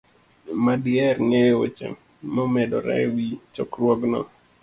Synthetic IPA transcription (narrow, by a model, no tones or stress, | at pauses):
madjɛɾŋeo̰t͡ʃɛ̰ | momɛdɔ̰ɾɛ̰wit͡ʃɔkrwɔɡnɔ̰